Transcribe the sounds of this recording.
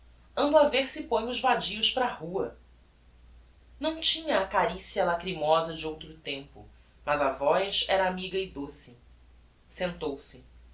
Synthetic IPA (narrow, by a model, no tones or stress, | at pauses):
ɐ̃nd̪aveɾsɪpõjɲ̃ʊzbad͡ʒiʊʃpɾɐahuɐ | nɐ̃w̃t͡ʃĩɲɐːkaɾisiɐlakɾimɔzɐd͡ʒɪowt̪ɾʊt̪ẽmpʊ̰ | mɐzɐvɔjsɛɾɐamiɡɐɪd̪osɪ | sẽnt̪owsɪ